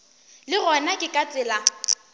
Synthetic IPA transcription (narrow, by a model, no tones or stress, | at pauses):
lɪɣɔnakʼɪkʼat͡sʼɪla